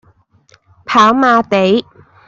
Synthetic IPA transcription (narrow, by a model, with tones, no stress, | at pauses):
pʰaː˨˥wmaː˧t̪e˨˥j